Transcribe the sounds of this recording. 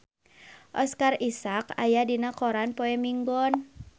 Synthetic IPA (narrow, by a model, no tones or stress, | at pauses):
ʔɔskarisaka̰jadinakɔɾanpoɛmiŋɡɔn